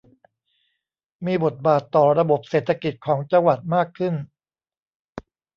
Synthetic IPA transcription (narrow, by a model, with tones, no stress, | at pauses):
miː˧bo˨˩t̪̚baː˨˩t̪ːɔː˨˩ɾa˧bo˨˩p̚seː˨˩t̪ʰːa˧ki˨˩t̪̚kʰɔː˩˦ŋt͡ɕa˧ŋwa˨˩t̪̚maː˥˩kʰːɯ˥˩n